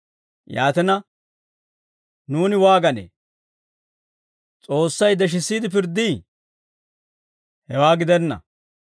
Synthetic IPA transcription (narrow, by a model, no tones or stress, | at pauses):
jaːt̪ɛnɐ | nuːnɪwaːɡɐnḛː | t͡sʼo̞ːsːɐjd̪ɛʃ̬ɪsːiːd̪ɪpɪɾd̪iː | hɛwaːɡɪd̪ɛnːɐ̰